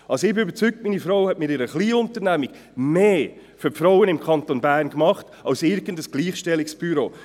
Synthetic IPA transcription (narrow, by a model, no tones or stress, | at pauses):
ʔɑsoɪbɪøbəɾt͡syk̚tmiːnifɾoʊhɛtmɪːɾɪɾəχliːʊntəɾnæmiɡ̥ | meː | føɾpfɾawənɪmkʰχɑntonbæːɾnkmɑχt | ɑwsɪɾɡəndəsɡ̥liːχʃtɛlːiksb̥yɾoː